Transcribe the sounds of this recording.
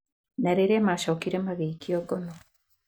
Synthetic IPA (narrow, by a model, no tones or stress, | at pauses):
naɾeɾemaʃɔkiɾemaɣeikiɔɡɔnɔ